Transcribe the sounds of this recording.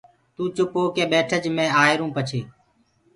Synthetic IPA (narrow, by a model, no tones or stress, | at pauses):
t̪uːt͡ʃʊpoːkeːɓeːʈʰəd͡ʒmẽːaːeɾũːpət͡ʃʰeː